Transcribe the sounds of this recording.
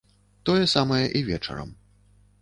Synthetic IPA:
t̪ɔjɛsamɐjɐʔivʲɛt͡ʂɐ̰ɾɐ̰m

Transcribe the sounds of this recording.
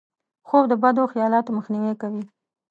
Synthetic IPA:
xowd̪əbad̪oxijɑlɑt̪oməxniwekawi

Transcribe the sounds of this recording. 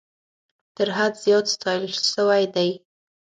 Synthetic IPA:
t̪əɾɦad̪zjɑt̪st̪ɑjəlʃəwajd̪aj

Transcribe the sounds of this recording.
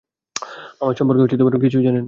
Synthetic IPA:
amaɾʃɔmpoɾkeuʈit̪obaʈokit͡ɕʰud͡ʑanen

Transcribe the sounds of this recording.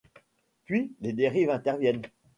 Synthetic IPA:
pɥiled̪eʁivɛ̃t̪ɛʁvjɛn

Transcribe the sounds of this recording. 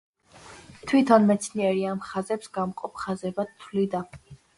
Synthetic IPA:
t̪ʰwit̪ʰɔnmɛt̪sʰniɛɾiamχazɛpsɡamqʼɔpʰχazɛbat̪ʰːlid̪a

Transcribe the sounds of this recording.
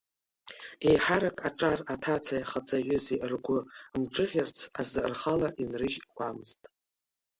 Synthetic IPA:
ejħaɾakʼaʈ͡ʂʼaratʰat͡sʰajaχat͡sʼʰaɥʏziʔrɡʷʊmʈ͡ʂʼɨʁʲart͡sʰazɨrχalaʔinrɨʒɡʷamɨz̥tʼ

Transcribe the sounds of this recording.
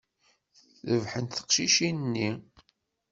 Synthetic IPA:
θəvħənt̪θə̥qʃiʃinnːi

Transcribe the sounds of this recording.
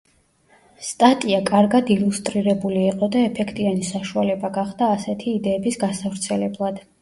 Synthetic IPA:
st̪ʼat̪ʼiakʼaɾɡad̪ilust̪ʼɾiɾɛbuliːqʼɔd̪aɛpʰɛkʰt̪ʼianisaʃualɛbaɡaχd̪aːsɛt̪ʰiːd̪ɛːbisɡasavɾt̪sʰɛlɛblˠad̪̥

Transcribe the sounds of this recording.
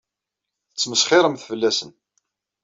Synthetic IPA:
ət͡sːməsχɪɾˤəmθfəlːæsən

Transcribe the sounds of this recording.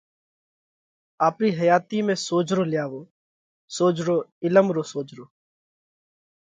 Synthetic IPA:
aːpɾiːɦəjaːt̪iːmẽːsoːd͡ʒɾoːlɪjaːʋoː | soːd͡ʒɾoːɪləmɾoːsoːd͡ʒɾoː

